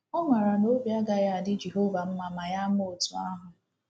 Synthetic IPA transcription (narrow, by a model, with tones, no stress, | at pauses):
ʊ˦mʷa˨ɾa˨no˦bja˦ɡa˦ja˦a˨dɪ˦d͡ʒe˨ɦo˦va˨m̩˦ma˨ma˨ja˦mo˦o˨tu˨a˦ɦʊ˨